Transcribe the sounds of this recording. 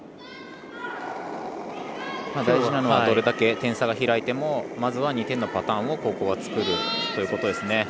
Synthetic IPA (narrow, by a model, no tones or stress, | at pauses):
maːd̪aiʑinano̞mad̪o̞ɾe̞d̪ake̞t̪ẽ̞ɰ̃saɡaçiɾait̪e̞mo̞mazɨβaɲ̟it̪ẽ̞nːopat̪ãːɰ̃o̞ko̞ːko̞ːɡat͡sɨ̥kɯ̟ɾɯ̟t̪o̞jiɯ̟ko̞t̪od̪e̞sɨne̞